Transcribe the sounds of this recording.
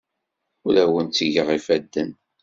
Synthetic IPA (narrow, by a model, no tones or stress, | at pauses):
ulæwənt͡sːəʝəʁifæd̪ːən